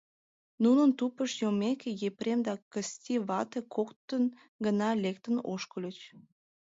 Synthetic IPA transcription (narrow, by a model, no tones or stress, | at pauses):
nunənt̪upəʃjomekejepɾemd̪ɑkəst̪ʲiβɑt̪ekʰokt̪ən | ɡənɑlek̚t̪əno̰ʃkəlʲət͡ɕ